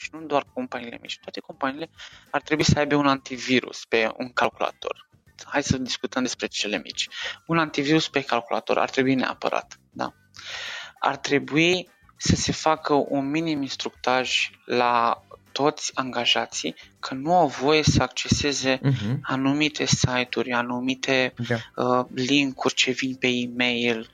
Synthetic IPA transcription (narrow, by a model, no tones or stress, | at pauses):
ʃinud̪oarko̞mpaniːle̞mḭt͡ʃʲt̪oat̪e̞ko̞mpaniːle̞art̪ɾe̞buisəajbe̞unant̪iviɾṵspe̞ṵŋkalkula̰t̪o̞̰r | haj̪səd̪iskut̪əmd̪espɾe̞t͡ʃe̞le̞mḭt͡ʃʲunant̪iviɾuspe̞kalkula̰t̪o̞̰ɾʔa̰rt̪ɾe̞buine̞a̰pə̰ɾa̰t̪ | d̪a̰ | a̰rt̪ɾe̞bui | səse̞fakəʔunminiminst̪ɾuk̚t̪aʒlat̪o̞t̪sʲaŋɡaʒat̪sḭjkʰənuawvo̞je̞səakt͡ʃe̞se̞ze̞anumit̪ʰe̞sajt̪urʲanumit̪ʰe̞əliŋkurʲt͡ʃe̞vinʲpe̞imejl